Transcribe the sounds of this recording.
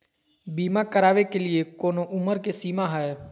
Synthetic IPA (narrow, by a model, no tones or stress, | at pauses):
biːmakəɾaːʋekelɪekoːnoʔʊməɾkesiːmaɦɛe